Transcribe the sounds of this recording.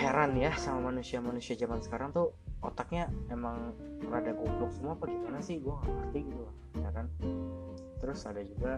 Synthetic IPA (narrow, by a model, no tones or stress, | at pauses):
heɾanjasamamanusiamanusiad͡ʒamansə̥kaɾaŋt̪ʊot̪ak̚ɲaemaŋ | bəɾadaɡuaaksumuapaɡimanasɪhɡuaŋapərt̪iɡit̪ulahjakan | t̪əɾʊsadad͡ʒuɡa